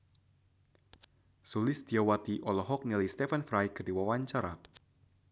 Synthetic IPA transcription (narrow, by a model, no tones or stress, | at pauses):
sulɪsd̪iawat̪iʔɔlɔɦɔk̚nilijst̪efanfɾajkɨrdiwawaɲt͡ʃaɾa